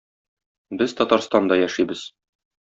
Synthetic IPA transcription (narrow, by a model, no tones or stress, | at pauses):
bɘzt̪ɒt̪ɑɾst̪ɑnd̪ɑjæʃibɘz̥